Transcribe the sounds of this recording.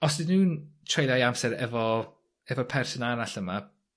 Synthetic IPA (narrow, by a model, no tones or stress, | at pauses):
ɔsdɪnuːntʰrejlˠjajamsɛɾɛvɔ | ɛvɔpʰɛrsɔnalaɬəma